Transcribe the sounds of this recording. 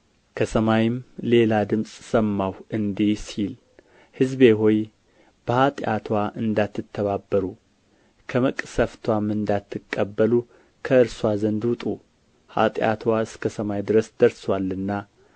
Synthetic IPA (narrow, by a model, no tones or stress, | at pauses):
kʰəsəmajɪmle̞lad̪ɨmsʼsəmːawɨnd̪isil | hɨzbe̞ɦo̞j | b̥əhat̪ʼat̪ʰwaʔɨnd̪at̪ʰːɨt̪ʰːəβabːəɾu | kʰəməkʼsəft̪ʰwamɨnd̪at̪ʰːɨkʼːəbːəlu | kʰəɨɾswazənd̪wʊt̪ʼu | ha̰t̪ʼja̰t̪ʰwaɨskʰəsəmajd̪ɨɾəsd̪̥əɾswalːɨnːa